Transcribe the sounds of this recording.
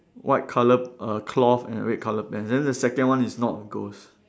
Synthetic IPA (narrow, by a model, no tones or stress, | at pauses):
wʔaɪt̚kʰaləp̚əkʰlɔfɛ̰̃nə̰ɹɛt̚kʰaləp̚ːɛ̃nsdɛ̃ndəsɛkə̃nwãnisnɔtɔ̃nɡos